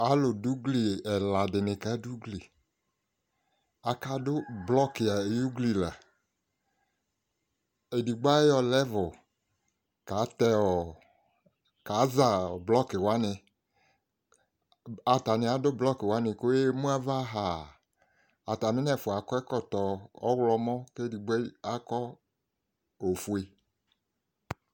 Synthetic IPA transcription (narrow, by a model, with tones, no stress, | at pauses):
a˨˦lʊ˨du˦ɡli˨ɛ˨la˨dɪ˨nɪ˨ka˦du˦ɡli˨ | a˨ka˦dʊ˦blɔ˦kɪ˨a˨e˨ju˦ɡli˨la˨ | e˨di˨ɡ͡ba˦ɔ˦lɛ˦vʊ˨ | ka˨˦t̪ɛ˧ɔ˨ | ka˨˦za˨blɔ˦kɪ˨wa˦nɪ˧ | a˨ta˨nɪ˨a˨˦dʊ˦blɔ˦kɪ˨wa˨˦nɪ˧ko˦e˦mũ˦a˦va˦ɦa˨ | a˨ta˨mɪ̃˦nɛ˦˨fʊ˨a˨kɔ˦ɛ˦kɔ˦˨t̪ɔ˨ɔ̰˦wlɔ˧mɔ̃˦kːdi˨ɡ͡bɛ˦a˦kɔ˦ | o˨fu˨e˨